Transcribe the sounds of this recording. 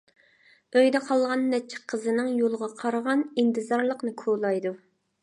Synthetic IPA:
øjd̪ɛqʰɑlˠʁɑnːɛt͡ʃʰːɪ̥qʰːəzɨnɪŋjolˠʁɑqʰɑɾəʁɑnint̪ʰɨzɑɾlˠəqnɨkʰolˠɑjd̪u

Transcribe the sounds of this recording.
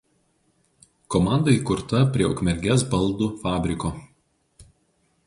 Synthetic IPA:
komɑˑnd̪ɐiˑkʊɾt̪ɐpʲɾʲiɛʊ̰kmʲɛɾʲɡʲɛsbɐlˠˑd̪uːfɑːbʲɾʲɪkoː

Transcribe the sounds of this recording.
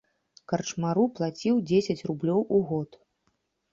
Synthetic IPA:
kɐrt͡ʂmaɾuplˠat͡sʲiwd͡zʲesʲɐt͡sʲrublʲɔwʔuɣɔt̪

